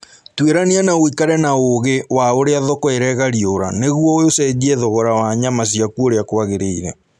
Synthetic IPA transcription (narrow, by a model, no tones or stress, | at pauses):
tweɾanianaoikaɾɛnaoɣewaoɾeaðɔkɔeɾɛɣaɾioɾa̰neɣuɔojosɛɣiɛðɔɣɔɾawaɲamas̬iakuoɾeakwaɣeɾeiɾɛ